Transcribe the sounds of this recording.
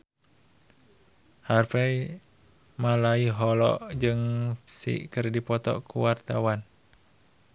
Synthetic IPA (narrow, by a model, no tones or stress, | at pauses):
harfɛj | malaiɦɔlɔ̰ʔd͡ʒɨŋsḭkɨrdipɔt̪ɔ̰kṵwart̪awan